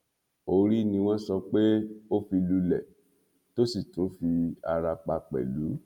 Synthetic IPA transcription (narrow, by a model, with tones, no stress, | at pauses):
o˧ɾi˦nĩ˧w̃ɔ̃˦sɔ˧k͡pe˦o˦fi˧lu˧lɛ˨ | to˦si˦˨to˨˦fi˧a˧ɾa˧k͡pa˧k͡pɛ̰˨lu˨˦